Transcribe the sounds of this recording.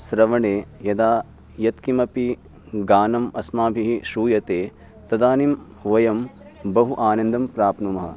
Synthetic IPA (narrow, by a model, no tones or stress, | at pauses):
sɾɐʋɐɳeːjɐd̪aː | jɐt̪kimɐpi | ɡaːnɐmɐsmaːbʱiɦiʃuːjɐt̪eː | t̪ɐd̪aːnim | ʋɐjɐm | bɐɦuʔaːnɐnd̪ʱɐmpɾaːpnumɐɦɐ̰